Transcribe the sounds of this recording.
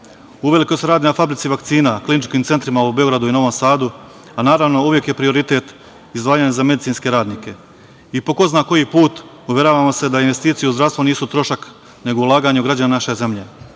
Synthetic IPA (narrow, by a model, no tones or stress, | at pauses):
uʋe̞likoseɾaːd̪inafabɾit̪siʋakt̪siːnaklinit͡ʃkiːmt̪se̞nt̪ɾimaube̞o̞ɡɾad̪uino̞ʋo̞msaːd̪u | anaːɾaʋno̞uʋjekje̞pɾio̞ɾit̪e̞ːt̪ | izd̪ʋaːjaɲazame̞d̪it̪inske̞ɾaːd̪niːke̞ | ipo̞ko̞znako̞jipuːt̪ | uʋjeɾaʋamo̞se̞d̪ainʋe̞st̪iːt̪sijeuzd̪ɾast̪ʋoniːsut̪ɾo̞ʃak | ne̞ɡoulˠaːɡaɲuɡɾad͡ʑananaʃe̞ze̞mʎe